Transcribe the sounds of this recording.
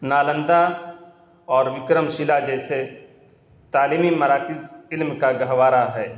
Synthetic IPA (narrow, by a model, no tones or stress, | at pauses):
naːlə̃nd̪a | ɔːɾʋɪkɾəmʃɪlad͡ʒɛːse | t̪aːliːmimɐɾaːkɪzɪlmkaɡɐɦʋaːɾaɦɛː